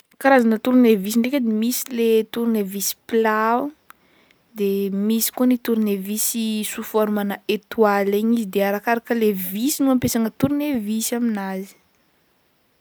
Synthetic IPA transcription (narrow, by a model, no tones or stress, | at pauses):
kaɾazanət̪uɾunevis̬iɳɖ͡ʐekʲed̪emisilet̪uɾunevisi̥plau | d̪emisi̥kuənit̪uɾunevisisufaɾumanəet̪waleɲizid̪eaɾakaɾakəlevisinuampesaŋət̪uɾunevisaminazi̥